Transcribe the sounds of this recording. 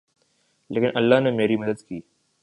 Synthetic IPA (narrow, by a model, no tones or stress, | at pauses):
leːkɪnʔɐlːaɦnemeːɾiməd̪əd̪kiː